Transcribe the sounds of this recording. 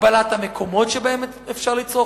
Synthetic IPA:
balat̪hamekʰo̞mo̞tʃebaemetefʃaʁlit͡so̞

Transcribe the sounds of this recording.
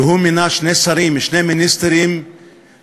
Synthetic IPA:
ɦuminaʃnesaɾimʃneminist̪eɾim

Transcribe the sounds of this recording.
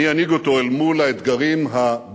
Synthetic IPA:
ianiɡot̪o̞elmulaet̪ɡaʁimɦab

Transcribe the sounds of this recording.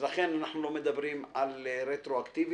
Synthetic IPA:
laχe̞nanaħnulo̞med̪abɾimalɾet̪ɾoakt̪ivi

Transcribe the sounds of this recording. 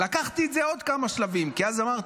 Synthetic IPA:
lakaχt̪iet̪zeo̞d̪kamaʃlavimkiazamaʁt

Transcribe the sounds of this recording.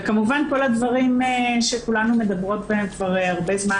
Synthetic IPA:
kamuvanko̞lad̪vaʁimeʃekulanume̞d̪ɐbʁo̞t̚beemkvaʁeaʁbe̞zma

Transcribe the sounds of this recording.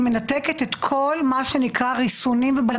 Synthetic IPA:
menat̪e̞ket̪et̪kʰo̞lmaʃenikʁaʁisunimvebal

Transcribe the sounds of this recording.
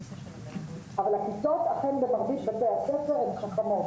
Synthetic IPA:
ʔavalhakitot̪aχenbemaʁbit̪bat̪eaχsefeʁemχaχamo

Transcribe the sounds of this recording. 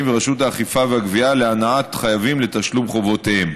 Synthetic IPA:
mveʁaʃutaːχifaveaɡvialeanaatχajavimle̞t̪aʃlumχo̞vo̞tehem

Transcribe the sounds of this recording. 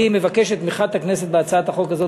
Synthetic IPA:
imevakeʃet̪ːmiχat̪hakneset̪beat͡saat̪haχolkazo

